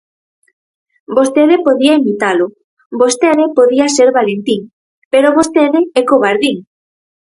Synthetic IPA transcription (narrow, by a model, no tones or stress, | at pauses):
bost̪eðɪpoðiɐimit̪alʊ | bost̪eðɪpoðiɐseɾβalent̪iŋ | peɾoβost̪eðɪɛkoβaɾðiŋ